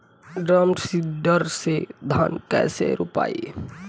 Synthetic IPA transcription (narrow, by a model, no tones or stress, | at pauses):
ɖɾəmʈsidəɾsed̪ʱaːnkɛ̰ːsḛɾupa̰ːi